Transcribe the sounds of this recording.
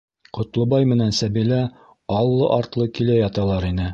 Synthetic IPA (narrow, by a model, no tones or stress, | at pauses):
qŏt̪lˠɤ̆bɑjmɘ̆nænsæbilæ | ɑlˠːɤʔɑɾt̪lˠɤkilæjɑt̪ɑlˠɑɾinɘ